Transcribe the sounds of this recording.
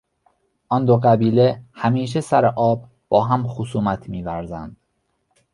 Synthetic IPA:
ʔɒnd̪oɣæbiːlehæmiːʃ̬esæɾeʔɒːb̚ | b̥ɒːɦæmxosuːmæt̪ʰmiːvæɾzænd̪̥

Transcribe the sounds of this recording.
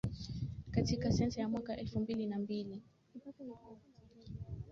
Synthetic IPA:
katikasɛnsajamwakaʔɛlfumbilinambili

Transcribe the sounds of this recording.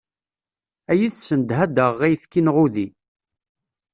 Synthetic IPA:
æjiθsənd̪ɦæd̪əʁːæjθkinʁuði

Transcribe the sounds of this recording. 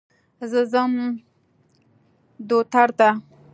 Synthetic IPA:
zəzəm | d̪ot̪aɾt̪a

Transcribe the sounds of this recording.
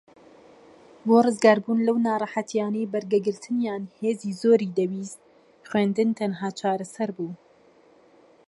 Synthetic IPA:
boːrɨzɡɑːɾbuːnlɐwnɑːrˤɑħat̪jɑːnejbɐɾɡɛɡɨɾt̪ʰɨnjaːnheːziːzoːɾiːd̪ɛwiːz | xweːnd̪ɨnt̪ʰɐnɦaːt͡ʃʰɑːɾɐsɛɾbuː

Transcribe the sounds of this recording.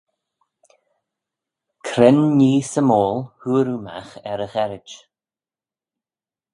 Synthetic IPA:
kʰɾɪnːiːsəmoːlhuːɾuma̰xɛɾəɣɛɾɪd͡ʒ

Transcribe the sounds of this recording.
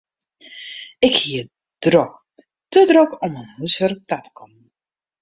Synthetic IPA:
ɪkhiə | d̥rok | tədrɔkɔmənhusʋərk̚tatkʰɔmən

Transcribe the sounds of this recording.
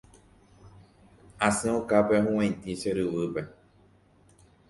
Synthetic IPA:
asẽokapeɦũwẽt̪iseɾɨβɨpe

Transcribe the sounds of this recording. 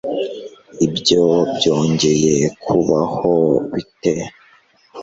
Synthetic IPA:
ibjobjo̞ːɲɟe̞jekʰuβahoβite

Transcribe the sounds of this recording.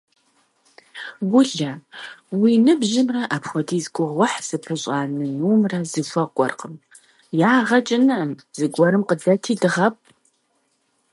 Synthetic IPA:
ɡʷʊɮɐwiːnɨbʑɪmrɐʔapxʷɔdʰiːzɡʷʊʁwɐħz̥ɨpʰɨɕʼaːnɨnuːmrɐzɨfʷɐɡʷʼɔ̰rqəm | jaːʁɐt͡ʃʼɪnɨəmz̥ɨɡʷɔɾɨmqədɐtʰiːdɨʁɐp̚ʰʼ

